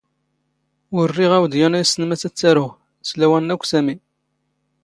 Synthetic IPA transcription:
wərːiʁæwd̪jænæjsənmæt͡sːæt͡sːæɾʊʁ | slæwænːækʷːsæmin

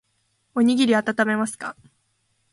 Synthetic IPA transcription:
o̞ɲ̟iɡʲiɾʲiat̪at̪ame̞masɨ̥ka

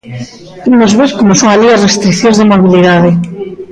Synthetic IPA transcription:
imozβeskomosoŋaʎiazrest̪ɾikθjõnzðemoβ̞iliðaðe

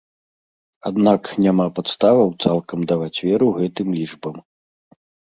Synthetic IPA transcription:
ad̪naknʲamapat̪st̪avɐwt̪salˠkɐmd̪avat͡sʲvʲɛɾuɣɛt̪ɨmlʲiʐbɐm

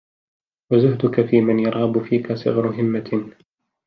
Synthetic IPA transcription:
wazʊhd̪ʊkafiːmanjɑɾˤɑbʊfiːkasˤɨ̰ɣɾʊɦɪmːa

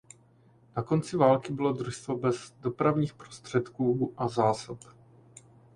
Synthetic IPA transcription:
nako̞nt͡sɪvaːlkɪbɪlo̞dɾuʃst̪vobɛzdo̞pɾavɲiːxpɾost̪r̝̥ɛt̪kuːʔazaːsop

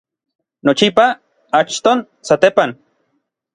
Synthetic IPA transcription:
not͡ʃipa | at͡ʃt̪on | sat̪epan

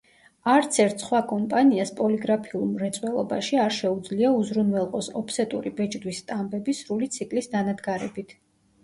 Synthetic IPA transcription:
aɾt̪sʰɛɾt̪ʰsχwakʼɔmpʼaniaspʼɔliɡɾapʰiulˠmɾɛt̪sʼwɛlˠɔba̰ʃiaɾʃɛud̪zliauzɾunwɛlˠqʼɔsɔpʰsɛt̪ʼṵɾibɛt͡ʃʼd̪wisːt̪ʼambɛbisɾulit̪sʰikʼlisd̪anad̪ɡaɾɛbit̪ʰ

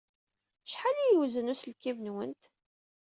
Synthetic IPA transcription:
ʃħalijəwzənusəlkivənwənt̪

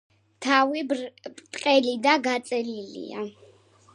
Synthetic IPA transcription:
t̪ʰavipʼt̪ʼqʼɛlid̪aɡat̪sʼɛlilḭa̰

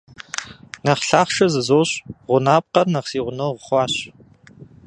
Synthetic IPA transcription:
nɐχɬaːχʃɐzɨzoːɕʁʷʊnaːp̚qɐrnɐqsiːʁʷʊnowʁəχʷɑːɕ

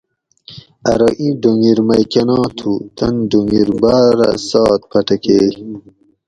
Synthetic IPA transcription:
ɐɾoʔĩɖoŋɡiɾmɐjkɐnɑ̃ːt̪ʰut̪ɐnɖoŋɡiɾbaːɾa̰sɑːt̪̚pʰɐʈɐke

